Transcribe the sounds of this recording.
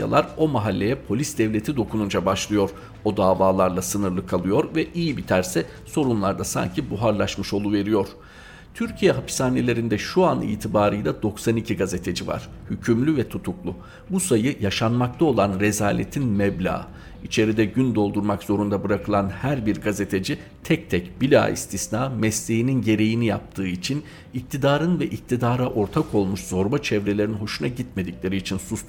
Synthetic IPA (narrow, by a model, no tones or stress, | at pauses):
a̰lˠaɾo̞maɦalʲːe̞jɛpʰo̞lʲisd̪ɛvlʲe̞t̪ʰid̪o̞kʰunund͡ʒabaʃlˠɯjo̞ɾ | o̞d̪aːvaːlˠaɾlˠasɯnɯɾlˠɯkʰalˠɯjo̞ɾvɛʔijibit̪ʰæɾsɛ | so̞ɾunlˠaɾd̪asa̰ɲcʰibuɦaɾlˠaʃmɯʃo̞lˠuve̞ɾijo̞ɾ̥ | t̪ʰyɾcʰijɛɦapi̥saːne̞lʲe̞ɾind̪ɛʃuanḭːt̪ʰibaːɾɯjd̪ˠad̪o̞ksanicʰiɡaze̞t̪ʰe̞d͡ʒiva̰ɾ̥hycʰymlʲyvɛt̪ʰut̪ʰuklˠu | busajɯjaʃanmak̚t̪ʰao̞lˠanɾezaːlʲet̪ʰinmɛblʲa̰ː | it͡ʃʰe̞ɾid̪ɛɟynd̪o̞lˠd̪uɾmakz̥o̞ɾund̪abɯɾakʰɯlˠanhæɾbiɾɡaze̞t̪ʰe̞d͡ʒi | t̪ʰɛc̚t̪ʰɛcbilʲa̰ːḭst̪ʰisnaːmɛslʲe̞jininɟe̞ɾe̞jinijap̚t̪ʰɯːit͡ʃʰin | ic̚t̪ʰid̪aːɾɯnvɛʔic̚t̪ʰid̪aːɾaʔo̞ɾt̪ʰakʰo̞lˠmuʃz̥o̞ɾbat͡ʃʰɛvɾe̞lʲeɾinɦo̞ʃunaɟit̪me̞d̪icʲlʲe̞ɾiːt͡ʃʰinsus